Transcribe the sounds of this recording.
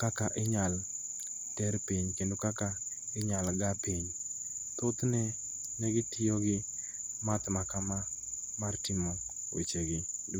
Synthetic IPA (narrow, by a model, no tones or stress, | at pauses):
kakaʔɪɲal | tɛɾpiɲkendokaka | ɪɲalɡapiɲ | t̪ot̪nɛ | nɛɡɪtɪjoɡɪ | mat̪makama | martɪmo | wḛt͡ʃeɡɪd